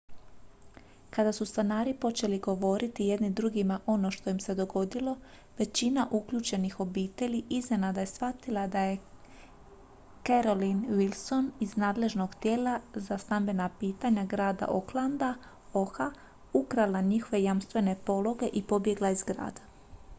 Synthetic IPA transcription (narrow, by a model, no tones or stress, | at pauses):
kad̪asust̪anaːɾipo̞t͡ʃe̞liɡo̞ʋo̞ɾit̪ije̞d̪nid̪ɾuɡimaʔo̞no̞ʃt̪o̞jimse̞d̪o̞ɡo̞d̪ilo̞ | ʋe̞t͡ɕinaʔukʎut͡ʃe̞nixo̞biːt̪e̞ʎiizne̞nad̪ajesʋat̪ilˠad̪aje̞ | keɾo̞linʋilˠso̞niznaːd̪le̞ʒno̞ɡt̪je̞ːlazast̪ambe̞napiːt̪aɲaɡɾaːd̪a̰ʔoklˠand̪a | o̞xa | ukɾalˠaɲixo̞ʋe̞jamst̪ʋe̞ne̞po̞lˠo̞ɡe̞ʔipo̞bje̞ɡlˠaizɡɾa̰ːd̪a